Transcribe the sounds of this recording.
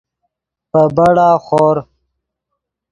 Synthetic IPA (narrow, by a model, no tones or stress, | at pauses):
pəbɐɽaːxoːɾ